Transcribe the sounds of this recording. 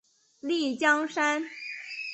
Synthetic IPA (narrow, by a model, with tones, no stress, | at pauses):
li˥˩t͡ɕjɑ˥ŋʂa˥n